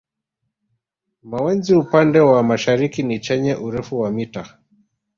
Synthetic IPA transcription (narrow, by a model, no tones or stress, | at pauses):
mawɛnziupandɛwamaʃaɾikinit͡ʃɛɲaʔuɾɛfuwamita